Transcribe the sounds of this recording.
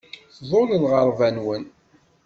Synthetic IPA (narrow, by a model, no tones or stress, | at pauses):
θðˤoləlʁəɾˤvænwən